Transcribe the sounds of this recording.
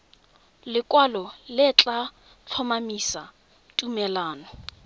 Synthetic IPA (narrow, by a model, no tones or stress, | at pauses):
lɪkʼwalɔlɪt͡ɬʼa | t͡ɬʰɔmamisa | tʼumɛlaːnɔ